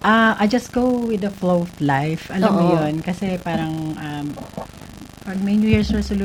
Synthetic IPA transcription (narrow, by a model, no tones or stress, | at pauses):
ʔɐmʔɐjd͡ʒɐst̪̚ɡ̥owwɪd̪ɐflowɔflajfʔɐlamːojonkɐsɛpaːɾɐŋʔɐm | pɐɡ̚mɛnjujiɹsɹɛsʊlu